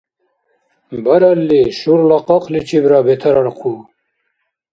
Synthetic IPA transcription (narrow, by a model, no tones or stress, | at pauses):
bɐɾɐlːiɕuɾlɑqɑqlit͡ɕʰibɾaːbet̪ʰɐɾɐɾqʰu